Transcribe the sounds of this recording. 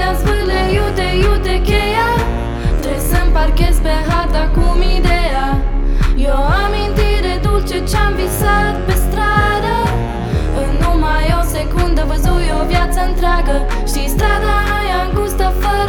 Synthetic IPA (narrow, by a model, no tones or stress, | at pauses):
asbəlejut̪ejut̪ekeja | t̪ɾesəmpaɾkespeɦaɾd̪akumid̪eja | joamint̪iɾed̪ult͡ʃet͡ʃamvisat̪̚pest̪ɾad̪ə | ɨnːumajosekund̪əvəzujovjat̪səɨnt̪ɾɪaɡə | ʃist̪ɾad̪a | jaŋɡust̪afə